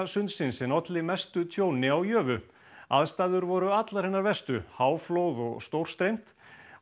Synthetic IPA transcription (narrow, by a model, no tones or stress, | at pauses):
sʏnt̪sɪnsɛnɔt̪lɪmɛst̪ʏt̪ʰjoːwnɪawjœːvʏ | a̰ðst̪aːðʏɾvɔɾʏat̪laɾ̥hɛnːaɾvɛst̪ʏhaːwflowðɔ̰ɣst̪owr̥st̪ɾejm̥t̪